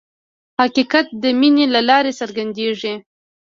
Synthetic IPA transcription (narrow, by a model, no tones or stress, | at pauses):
hakikat̪̚d̪əminelalɑɾesəɾɡand̪eʐi